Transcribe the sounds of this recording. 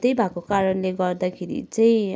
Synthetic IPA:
t̪ejbʱakokaɾʌnleɡʌrd̪akʰeɾḭt͡saĩ

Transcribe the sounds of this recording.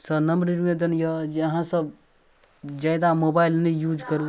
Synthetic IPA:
sənəmɾiɾmed̪ənjəd͡ʒɦãsəb | d͡ʒaːd̪amoːbaːilnəijuːd͡ʒkəɾu

